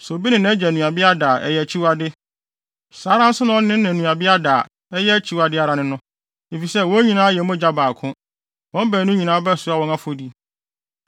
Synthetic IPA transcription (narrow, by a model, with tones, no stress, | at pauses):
so˨bi˦nɪ̃˨nɛ̃˦d͡ʑɛ˨nũ˨a˨bɪ˦a˦daː˨ʔɛ̰˨jɛ˨t͡ɕʰi˦wa˦˨dɪ˦ | saː˨˦ɾã˦n̩˦sʊ˦nʊ̃˨ɔ˦n˦ɪ̃˦nɛ̃˨nũ˨a˨bɪ˦a˦daː˨ | ɛ˦jɛ˦t͡ɕʰi˦wa˨dɪ˦a˨ɾa˨nɪ̃˦nʊ̃˦ | e˨fi˨sɛ˦wɔ̃˦ɲĩ˨nãː˦jɛ˨˦mʊ̃˦d͡ʑa˦baː˨kʰʊ̃˦ | wɔ̃˦m˦bæː˨nũ˦ɲĩ˨nã˨˦bɛ˦˨sʊ˦a˨wɔ̃˦ŋã˦fo˨di˦